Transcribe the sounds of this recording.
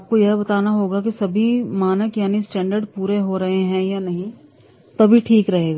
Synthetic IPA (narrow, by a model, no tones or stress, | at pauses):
aːp̚kojɛɦbɐt̪aːnaɦoːɡakisɐbʱimaːnəkjaːnisʈɛ̃ːɳɖəɾɖpuːɾeɦoɾɐɦeɦɛ̃janɐɦĩ | t̪ɐbʱiʈʰiːkɾɐɦeːɡaː